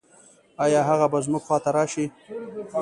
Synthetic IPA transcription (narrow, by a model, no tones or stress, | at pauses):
ɑjɑɦaɣabazmʊɡxwɑt̪aɾɑʃi